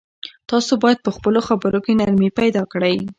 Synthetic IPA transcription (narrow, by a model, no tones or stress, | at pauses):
t̪ɑsobɑjad̪̚pəxpəloxabəɾokenaɾmipajd̪ɑkɽəj